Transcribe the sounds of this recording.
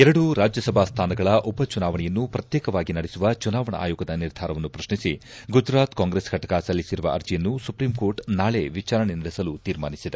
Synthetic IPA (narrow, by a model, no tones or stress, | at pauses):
ɛɾɐɽuɾaːd͡ʒjɐsɐbʱaːst̪ʰaːnɐɡɐɭɐʔɔbɐt͡ʃunaːʋɐɳɛjɐnːupɾɐt̪jɛːkɐʋaːɡinɐɽesuʋɐt͡ʃunaːʋɐɳɐ̰ʔa̰ːjuːɡɐd̪ɐniɾd̪ʱaːɾɐʋɐnːupɾɐʃnisiɡud͡ʒɾaːt̪kaːŋɡɾesɡʱɐʈɐkasɐlːisiɾuʋɐʔɐ̰ɾd͡ʒijɐnːusupɾiːmko̞ːɾʈnaːɭeʋit͡ʃaːɾɐnenɐɽesɐlut̪iːɾma̰ːnisid̪e